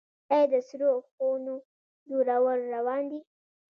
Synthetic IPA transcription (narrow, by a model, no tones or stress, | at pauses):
ɑjɑd̪əsɾoxowno | d̪uɾawəlːawɑnd̪i